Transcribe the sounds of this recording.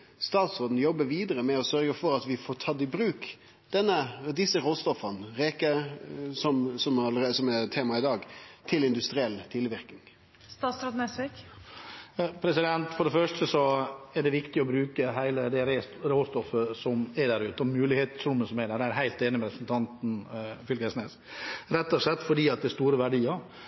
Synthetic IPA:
st̪ɑːt̪sɾoːd̪n̩jɔbːəʋiːd̪əɾəmɛɔsœɾɡəfɔɾɑt̪ʋɪfoːt̪ʰɑd̪ɪbɾʉːk | d̪̥ɛnːəd̪ɪsːəɾoːst̪ɔfːənɾeːkəsɔmsɔmɑlːəɾeːsɔmɛt̪ʰeːmɑɪd̪ɑːɡt̪ʰɪlɪnd̪ʉst̪ɾɪɛlːt̪ʰɪlʋɪɾk̪ɪŋ | st̪ɑːt̪sɾɑd̪nɛsʋik | pʰɾɛsɪd̪ɛnt̪fɔɖɛfœʂʈəsɔæɖɛʋɪkt̪ɪɔbɾʉːkəɦæɪləd̪ɛɾeːsɾoːst̪ɔfːəsɔmɛd̪æɾʉːt̪əɔmʉːlɪheːt̪sɾʊmːəsɔmæd̪æɖæɾɦæɪlt̪eːnɪmɛɾɛpɾəsn̩t̪ʰɑnt̪n̩fʏlkʰæsneːs | ɾɛt̪ːɔʂɭɛt̪ːfɔɖiːɑt̪̚d̪ɛst̪uːɾəʋæɖiːəɾ

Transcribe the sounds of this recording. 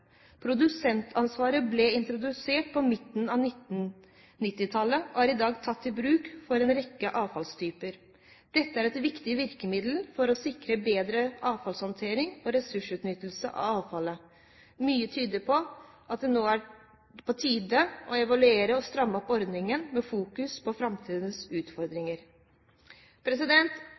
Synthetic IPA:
pʰɾʊd̪ʉsɛnt̪ʰɑnsʋɑːɾəblɛɪnt̪ɾʊd̪ʉseːʈ̚pʰɔmɪt̪ːənɑnɪ | nɪt̪ːɪt̪ʰɑlːəʔɔæɾɪd̪ɑːɡt̪ʰɑt̪ːɪbɾʉːkfɔɾɛnɾɛkːəʔɑːʋfɑlst̪ʰyːpəɾ | d̪̥ɛt̪ːəæɾɛt̪ʋɪkt̪ɪʋɪɾkəmɪd̪l̩fɔɾɔsɪkɾəbeːd̪ɾəɑːʋfɑlshɑnt̪ʰeːɾɪŋɔɾɛsʉʂʉːt̪nʏt̪ːl̩sə̰ʔɑ̰ʋɑːʋfɑlːə | myːət̪ʰyːd̪əpʰɔ | ʔɑt̪̚d̪ɛnoːæ | pʰɔt̪ʰiːd̪əʔɔɛʋɑlʉeːɾəɔst̪ɾɑmːəɔpɔɾd̪nɪŋənmɛfuːkʉspʰɔfɾɑmt̪ʰiːd̪ən̩sʉːt̪fɔɾd̪ɾɪŋəɾ | pʰɾɛsɪd̪ɛnt̪

